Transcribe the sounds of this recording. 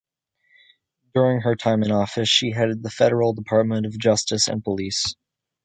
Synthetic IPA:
d̥ʊɹɪ̃ŋə˞tʰãɪ̃mɨ̃nɔfɨsʃiɦɛɾɨd̪̚ðəfɛɾə˞l̩ˠdəpʰɑɹt̚mə̃nʌvd͡ʒʌstɨsɨ̰̃npʰəlis

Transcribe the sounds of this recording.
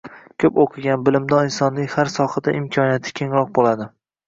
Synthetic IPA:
kʲʰɵpoqʰɨɡʲanbɪlɪmd̪ɒɪnsɒnːɪŋhaɾsɒχad̪aʔɪmkʲʰɒnijat̪ʰɪ̥kʲʰe̞ŋɾɒq̚bolad̪ɪ

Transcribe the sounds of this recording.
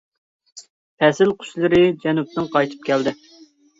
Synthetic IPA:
pʰɛsɪlqʰʊ̥ʃlˠɨɾɪd͡ʒɛnup̚t̪ɪŋqʰɑjt̪ʰɨ̥p̚kʲʰɛld̪ɪ

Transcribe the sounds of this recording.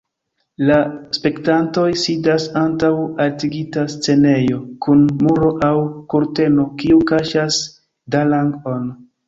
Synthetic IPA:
laspe̞ktanto̞jsidasantawaltiɡitast͡se̞ne̞jo̞kʰunmuɾo̞ʔawkuɾte̞no̞kiukaʃas | dalaŋɡo̞n

